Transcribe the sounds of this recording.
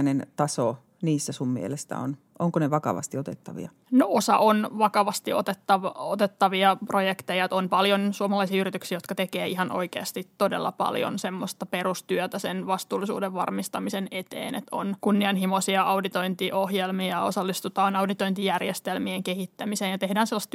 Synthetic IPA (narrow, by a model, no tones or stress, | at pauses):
nent̪ɑso | niːsːæsummḭelesːæ̰o̰n | ʔoŋkoneʋɑkɑ̰ʋɑ̰st̪iot̪et̪ːɑʋḭɑ | noosɑ̰ʔonʋɑkɑʋɑst̪iot̪et̪ːɑʋɑot̪et̪ːɑʋiɑprojekt̪ejɑt̪onpɑljonsuɑmɑlɑisiːyrit̪yksiːjot̪kɑt̪ekeːihɑnʔo̰ikeɑst̪itt̪odḛlːɑ̰pɑ̰ljo̰nsemːost̪ɑperust̪yøt̪æsenʋɑst̪uːlːˑisṵːdeʋʋɑ̰rmist̪ɑmisenet̪ḛːnḛt̪o̰nkunːiɑnhimosiɑʔɑudit̪oint̪iʔohjelmiɑosɑlːist̪ut̪ɑːnɑudit̪oint̪ijærjest̪elmieŋkehit̪ːæmiseːnjɑt̪ehdæːnselːɑst̪